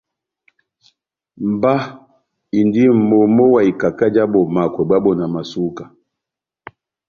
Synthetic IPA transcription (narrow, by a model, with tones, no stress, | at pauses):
m̩˨ba˦ | i˨ndi˦m̩˨mo˨mo˦wa˨i˨ka˨ka˦d͡ʒa˦bɔ˨ma˨kwɛ˨ba˦bɔ˨na˨ma˨su˦ka˨